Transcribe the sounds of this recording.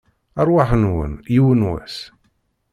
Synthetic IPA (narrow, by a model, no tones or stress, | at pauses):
ɑɾˤwaħnwə̰njiwənwæ̰s